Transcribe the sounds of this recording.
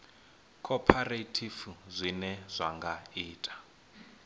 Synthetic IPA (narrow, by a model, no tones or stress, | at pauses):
kʰɔpʰaretʰifuzʷinɛzʷaŋɡaiːtʼḁ